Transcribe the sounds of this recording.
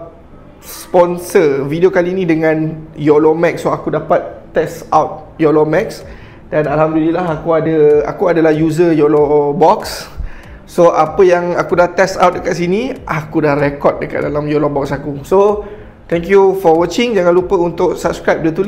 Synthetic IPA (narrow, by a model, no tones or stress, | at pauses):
spɔnsəvidiokaliːnĩdəŋãnjɔlɔmɛk̚sːoakudapat̪̚ː | ɛsawt̪̚ | jɔlɔmɛks | danalɦamdulilaɦakuadəa̰kuadalahjuzəjɔlɔbɔks | soʔapəjaŋakudaht̪ɛsa̰wt̪̚dəkat̪siniʔakudahrɛkɔt̪̚dəka̰ʔ̚dalamjɔlɔbɔksakuso | t̪ɛŋkjufɔwət͡ʃɪŋd͡ʒaŋãnlupəunt̪ʊksap̚skɾajp̚dət̪ul